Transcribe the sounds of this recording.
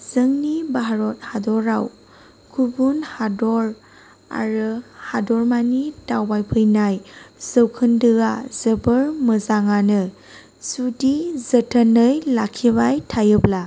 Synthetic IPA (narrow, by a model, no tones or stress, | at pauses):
z̥əŋnibaɦaɾɔt̚hadɔɾaw | kʰubunhadɔɾ | a̰ɾɯhadɔɾmanitawbajpʰɯjnajz̥əwkʰɯndɯɡazəbəɾmɯzaŋanɯ | sudizətʰənəjlakʰibajtʰajɯbla